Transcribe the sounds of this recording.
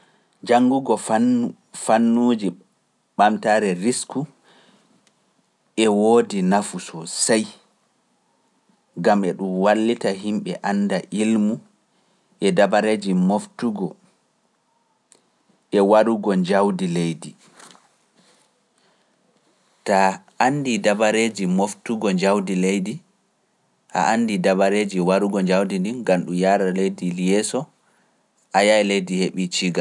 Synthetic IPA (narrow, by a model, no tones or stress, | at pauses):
d͡ʒaŋɡuɡɔ | fanːuːd͡ʒi | ɓamtaːɾɛɾisku | ɛwoːdinafusɔsaj | ɡamɛɗumwalːitaɦimɓɛʔanːdaʔilmu | ʔɛdabaɾeːd͡ʒimoftuɡɔ | ɛwaɾuɡɔɲd͡ʒawdilejdi | taʔanːdidabaɾed͡ʒimoftuɡɔɲd͡ʒawdilejdi | ʔa̰ʔandidabaɾeːd͡ʒiwaɾuɡɔɲd͡ʒawdindinɡamɗumjaɾalejdilijɛsɔ | ʔajaɛlejdiheɓit͡ʃiɡal